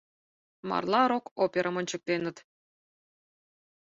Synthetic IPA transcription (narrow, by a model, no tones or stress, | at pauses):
mɑ̰rlˠɑɾokopʲeɾʔɑmə̆nʲt͡ɕə̆k̚t̪enə̆t̪